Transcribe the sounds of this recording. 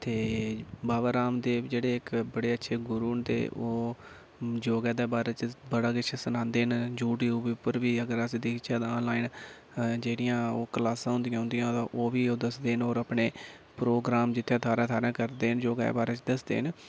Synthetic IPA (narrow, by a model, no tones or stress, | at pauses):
t̪eːbaːʋaːɾaːmd̪eːd͡ʒeːɽeːɪkbəɽeːətːʃʰeːɡʊɾuːnt̪ḛːʔoː | d͡ʒoːɡɛːd̪eːbaːɾeːt͡ʃbəɽaːɡɪt͡ʃʰːsənãːnd̪eːɦnd͡ʒuːʈiːʊbiʊpːəɾʋiːəɡəɾəsĩːd̪eːkt͡ʃʰaːd̪aːnlaːin | d͡ʒeːɽɪjãːoːkəlaːsãːɦʊ̃nd̪ɪjãːɦʊnd̪ijãːt̪ãːʔoːʋiːoːd̪əsd̪eːɦənoːɾapɳeː | pɾoːɡɾaːmd͡ʒɪt̪ʰːẽt̪ʰaːɾãːt̪ʰaːɾãːkəɾd̪eːənd͡ʒoːɡɛ̰baːɾet͡ʃd̪əsd̪ḛːɦən